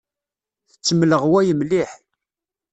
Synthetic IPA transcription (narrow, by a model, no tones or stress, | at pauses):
θət͡sːəmləʁwæjəmlɪħ